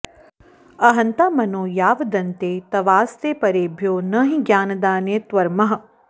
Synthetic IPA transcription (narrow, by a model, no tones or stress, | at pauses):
ɐɦɐnt̪aːmɐnoːjaːʋd̪ɐnt̪eːt̪ɐʋaːst̪eːpɐɾeːbʱjoːnɐɦĩɡjaːnɐd̪aːnet̪ʋɐɾmɐɦɐ